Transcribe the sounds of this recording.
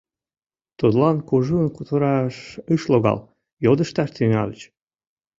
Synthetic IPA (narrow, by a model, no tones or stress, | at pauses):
t̪ut̪lɑnkuʒunkut̪əɾɑʃɯʃloɣɑ̰l | jod̪əʃt̪ɑʃt̪yŋɑ̰lət͡ɕ